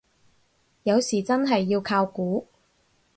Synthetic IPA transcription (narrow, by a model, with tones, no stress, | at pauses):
jɐ˨˧wsiː˨˩t͡sɐ˥nɦɐ˨jːiː˧wkʰaː˧wkuː˨˥